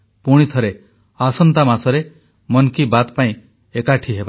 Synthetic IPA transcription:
puɽ̃it̪ʰɔɾe | asɔnt̪amasɔɾe | mɔnkibat̪paĩ | ekaʈʰiɦeba

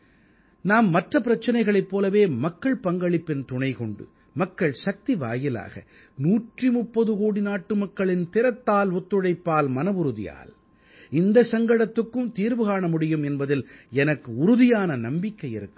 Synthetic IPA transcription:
naːmːɐʈrɐpɪɾɐt͡ʃːɐnɐɪɣɐɭɐɪpːoːlɐʋeːmɐkːɐɭpɐŋɡɐɭɪpːɪnt̪ʊɳɐɪkɔɳɖɯ̰ | mɐkːɐɭsɐk̚t̪iʋa̰ːjɪla̰ːɣɐ̰ | nuːʈrimʊpːɐðɯɣoːɽinaːʈːɯmɐkːɐɭɪnt̪ɪɾɐt̪ːaːlɔt̪ːɯɽɐɪpːaːlmɐnɐʋʊɾɯðɪ̰ja̰ːl | ɪnd̪ɐsɐŋɡɐɽɐt̪ːɯkːɯmt̪iːɾʋɯɣaːɳɐmʊɽɪjɯmɛnbɐðɪlɛnɐkːɯʊɾʊðɪjaːnɐnɐmbɪkːɐɪjɪ̰ɾɯkːɯm

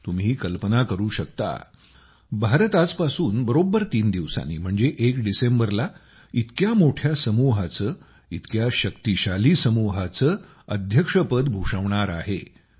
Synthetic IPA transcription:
t̪um̤iːkəlpənakəɾuːɕəkt̪a̰ | bʱaɾət̪at͡spasuːnbəɾobːəɾt̪iːnd̪iʋsa̰nːḭːm̤əɳd͡zeʔekɖisembəɾla | it̪kjamoʈʰjasəmuɦat͡səː | it̪kjaɕəkt̪iɕaliːsəmuɦat͡səː | əd̪ʱjəkʂəpəd̪bʱuʂəʋɳ̃aɾa̰ɦḛ

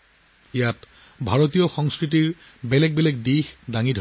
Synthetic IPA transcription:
ijat | bʱaɹot̬ijɔxɔŋskɹitiɹ | bɛlɛɡ̚bɛlɛɡ̚dixdaŋidʱ

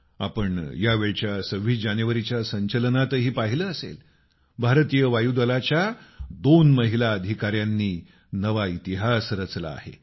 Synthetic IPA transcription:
a̰pəɳjaʋeɭt͡ɕjasəʋ̤iːd͡ʑanəʋəɾit͡ɕjasəɲt͡ɕəlnat̪əɦiːpaɦiləəsḛl | bʱaɾt̪ijəʋajud̪əlat͡ɕjad̪onməɦilaəd̪ʱikaɾjanːiː | nəʋait̪iɦasɾət͡sla̰ːɦḛ

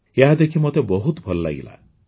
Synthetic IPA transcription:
jeɦad̪ekʰimot̪ebɔɦut̪bʱɔlɔla̰ɡḭla̰

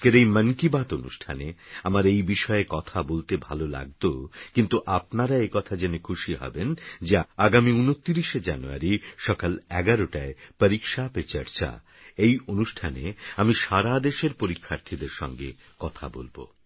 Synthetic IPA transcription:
keɾejmənkibat̪onṵʃʈʰaneamaɾejbiʃɔeekɔt̪ʰabolt̪ebʱa̰lola̰ɡ̚t̪okint̪uʔapnaɾaekɔt̪ʰad͡ʑenikʰuʃiɦɔ̰bend͡ʑeaɡamiunot̪ːiɾiʃed͡ʑanua̰ɾiʃɔkalɛɡaɾoʈaepəɾikʃapet͡ɕə̰ɾt͡ɕʰa̰ | ejonuʃʈʰanḛamiʃaɾad̪eʃeɾpoɾikʰːaɾt̪ʰid̪eɾʃɔ̰ŋɡḛ | kɔt̪ʰa̰bo̰lbo̰

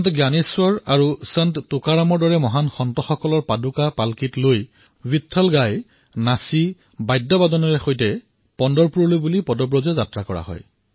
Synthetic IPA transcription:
ntɡjaniswɔɹaɹusɛnttʊkaɹamɔɹdɔɹɛmɔɦanxɔntɔxɔkɔlɔɹpadukapalkitloj | bitʰːɔlɡaj | nasi | bajdːɔbadɔnɔɹɛxojtɛ | pɔndɔɹpuɹɔlojbulipɔdɔbɹɔzɛzatɹakɔɹa̰ɦɔ̰j

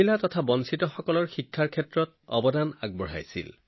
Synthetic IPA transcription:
ilatɔtʰabɔnsitɔxɔkɔlɔɹxikʰːaɹkʰɛtɹɔt̚ | ɔ̰bɔdana̰ɡ̚bɔɹ̤a̰jsḭl

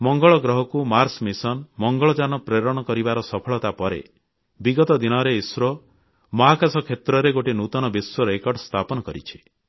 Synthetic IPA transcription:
mɔŋɡɔɭɔɡɾɔɦɔkumaɾsmisɔnmɔŋɡɔɭɔd͡ʒanɔpɾeɾɔɽ̃ɔkɔɾibaɾɔsɔpʰɔɭɔt̪apɔɾḛ | biɡɔt̪ɔd̪inɔɾeiswɾɔ | mɔɦakasɔkʰet̪ɾɔɾeɡoʈinut̪ɔnɔbisːɔɾekɔɾɖst̪ʰapɔnɔkɔɾit͡ʃʰi̥

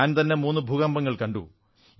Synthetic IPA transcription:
aːnt̪ɐnːemuːnːɨbʱuːɣɐmbɐŋːɐɭkɐɳɖu

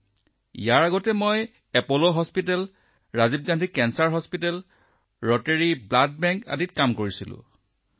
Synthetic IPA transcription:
ḭjaɹaɡɔtɛmoj | ɛpoloɦɔspitɛl | ɹazib̚ɡandʱikɛnsaɹɦɔspitɛl | ɹɔteɹiblad̚bɛŋka̰ditkamkoɹisilʊ̰̃

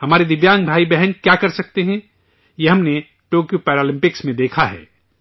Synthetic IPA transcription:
hɐmaːɾed̪ɪʋjãːŋɡbʱaːibɛɦənkjakɐɾsɐk̚t̪eɦɛ̃ | jeɦɐmne | ʈoːkjopɛːɾaːlɪ̃mpɪksmẽd̪eːkʰaɦɛ̰ː

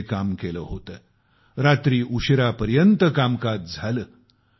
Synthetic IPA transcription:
kamkeləɦot̪ə | ɾat̪ɾiːʔuɕɾapəɾjənt̪əkamkat̪̚d͡zʱaləː

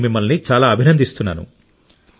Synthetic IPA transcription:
mimːɐlnit͡ʃaːlaːɐbʱinɐnd̪ist̪unːa̰ːnṵ

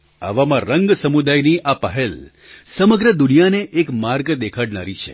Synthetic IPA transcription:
a̰ʋamãɾəŋɡsəmud̪ajniʔapəɦel | səməɡɾəd̪unijaneʔːkmaɾɡd̪ekʰaɽnaɾit͡ʃʰḛ

